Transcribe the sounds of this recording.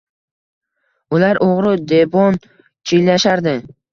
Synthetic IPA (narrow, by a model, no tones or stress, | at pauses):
ʊlaɾʔoʁɾɪd̪e̞bɒn | t͡ʃʰijlaʃaɾd̪ɪ